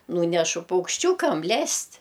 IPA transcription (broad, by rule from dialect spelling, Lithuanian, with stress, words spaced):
ˈnuːnʲɛʃʊ pɐʊkʃʲˈt͡ʃʲuːkɐm ˈlʲɛsʲtʲ